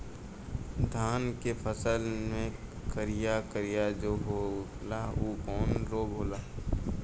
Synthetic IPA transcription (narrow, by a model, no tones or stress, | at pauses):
d̪ʱaːnkepʰəsəlmẽ | kəɾɪjakəɾɪjad͡ʒoːɦolaoːkɔːnɾoːɡɦoːlaː